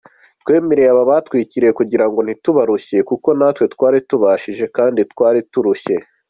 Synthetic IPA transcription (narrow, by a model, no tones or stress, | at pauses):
twe̞ːmeɾejaβaβatwiːciɾejekuɟiɾaŋɡo̞n̥hituβaɾuçe̞kuko̞natwe̞tkwaːɾituβaʃiʒe̞kaːnditkwaːɾituɾuɕe̞